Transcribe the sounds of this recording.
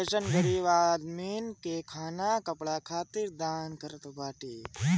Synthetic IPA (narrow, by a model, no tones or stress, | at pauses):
eʃənɡɐɾiʋaːd̪miːnkekʰaːnakɐpɭaːkʰaːt̪iɾd̪aːnkɐɾət̪baːʈiː